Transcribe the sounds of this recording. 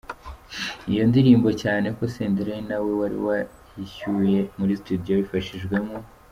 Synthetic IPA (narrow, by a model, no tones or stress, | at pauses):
ijo̞ndiɾiːmbo̞caːne̞ko̞seːndiɾenawe̞waɾḭwa | hiçuje̞muɾistudijo̞βifaʃiʒɡwe̞mu